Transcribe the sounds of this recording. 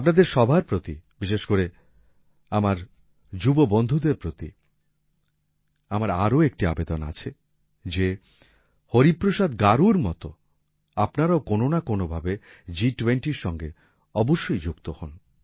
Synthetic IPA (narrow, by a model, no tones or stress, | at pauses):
apnad̪eɾʃɔbʱaɾpɾot̪ibiʃeʃkoɾe | amaɾ | d͡ʑubobond̪ʱud̪eɾpɾot̪ḭ | amaɾaɾoek̚ʈia̰bed̪ona̰t͡ɕʰe | d͡ʑe | hoɾipːɾoʃad̪ɡaɾuɾmɔ̰t̪o̰ | apnaɾaokononakonobʱabe | d͡ʑiʈweɳʈiɾʃɔŋɡe | ɔboʃːojd͡ʑukt̪ohɔn